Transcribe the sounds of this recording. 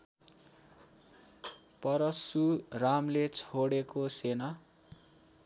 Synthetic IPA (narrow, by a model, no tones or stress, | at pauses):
pʌɾʌsuramlet͡sʰoɽekosena